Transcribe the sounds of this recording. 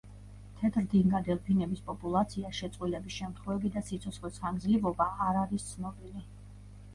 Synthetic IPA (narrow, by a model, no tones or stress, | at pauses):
t̪ʰɛt̪ʰɾd̪iŋɡad̪ɛlˠpʰinɛbispʼɔpʼulˠat̪sʰiaʃɛt̪sʼwilɛbisʃɛmt̪ʰχwɛvɛbid̪asit̪sʰɔt̪sχlɛsχand̪zlivɔbaːɾaɾist̪sʰnɔbili